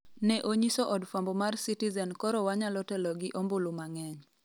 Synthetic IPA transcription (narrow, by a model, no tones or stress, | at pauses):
nɛʔoɲisɔʔɔdfambɔmarsitizɛnkɔɾɔwaɲalɔtɛlɔɡɪʔombolumaŋɛɲ